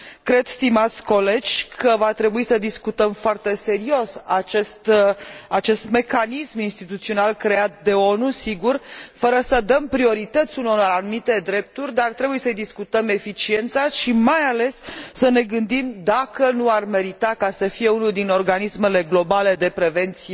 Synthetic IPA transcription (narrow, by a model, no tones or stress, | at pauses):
kɾe̞d̪st̪imat̪sʲko̞le̞d͡ʒʲkʰəvat̪ɾe̞buisəd̪iskut̪əmfoart̪e̞se̞ɾio̞sat͡ʃest̪at͡ʃe̞st̪me̞kanisminst̪it̪ut̪sio̞nalkɾe̞at̪̚d̪e̞o̞nusiɡurfəɾəsəd̪əmpɾio̞ɾit̪ət̪sʲunonaɾanumit̪e̞d̪ɾe̞p̚t̪urʲd̪art̪ɾe̞buje̞səjd̪iskut̪əme̞fit͡ʃie̞nt̪saʃimajale̞sːəne̞ɡɨnd̪imd̪akənuarme̞ɾit̪akasəfije̞unuld̪ino̞rɡanisme̞le̞ɡlo̞bale̞d̪e̞pɾe̞ve̞nt̪sie